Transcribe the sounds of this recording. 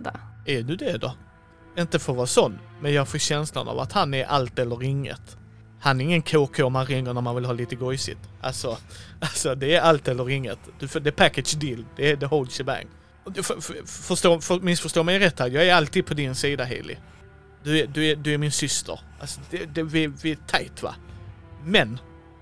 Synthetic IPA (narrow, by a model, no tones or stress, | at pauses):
æɖɵd̪ɛd̪ɔ̰ | ɪnt̪əfoːɾvɑːsɔnːmɛnjɑːɡfoːɕɛnsla̰nɑ̰va̰t̪hanæɾʔa̰lt̪ɛlːəɾɪŋːə̰t̪ | hanæɾɪŋːənkʰoːkʰoːmanɾɪŋːəɳæɾmanvɪlɦɑːliːt̪əɡɔjsɪ̰t̪ʔa̰lsɔalsɔd̪ɛːɾalt̪ɛlːəɾɪŋːət̪d̪̥ɵfd̪ɛpʰækəd̪sd̪ild̪ɛːd̪ɛhɔlsəbæ̰ŋ | ffœʂt̪oːfmɪsfœʂt̪oːmɛjɾɛt̪ːhæːɾjɑːɡæɾalt̪iːd̪̚pʰɔd̪ɪnsiːd̪aɦɛ̰ːlɪ̰ | d̪ɵæd̪ɵæd̪ɵæɾmɪnsʏst̪ʰə̰ɾʔalsɔd̪ɛd̪ɛvɪvɪæt̪ʰajt̪va̰ | mɛn